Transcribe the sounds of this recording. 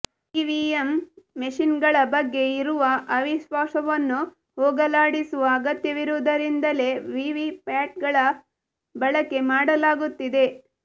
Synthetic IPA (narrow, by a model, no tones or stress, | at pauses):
iʋiemːeʃinɡɐɭɐbɐɡːe̞iɾuʋɐʔɐʋiʃʋaːsɐʋɐnːu | hɦɔːɡɐlaːɽisuʋɐːɡɐt̪jɐʋiɾuʋd̪ɐɾind̪ɐle̞ʋiʋipaːʈ̚ɡɐɭɐ | bɐɭɐkːe̞maːɽɐlaːɡut̪ːid̪e̞